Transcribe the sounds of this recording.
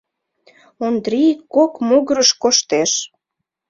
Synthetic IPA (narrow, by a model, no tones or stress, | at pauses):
ond̪ɾikːokmoɣəɾəʃkoʃt̪eʃ